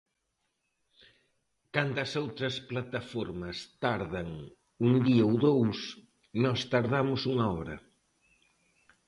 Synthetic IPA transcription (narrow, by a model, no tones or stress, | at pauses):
kant̪ɐsowt̪ɾɐsplat̪ɐfɔɾmɐst̪aɾðɐŋ | uŋd̪iɐowðows | nɔst̪aɾðamʊsuŋɐɔɾɐ̰